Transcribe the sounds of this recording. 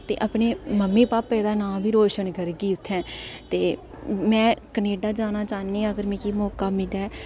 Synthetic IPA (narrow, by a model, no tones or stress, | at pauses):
t̪ḛːʔapɳeːməmːiːpaːpːɛːd̪aːnãːbʱiːɾoːʃənkəɾɡiːʊt̪ʰːɛ̃ːt̪eː | mɛ̃ːkəneːɖaːd͡ʒaːnaːt͡ʃaːnĩːəɡəɾmɛ̃ːkiːmɔːkaːmɪlaː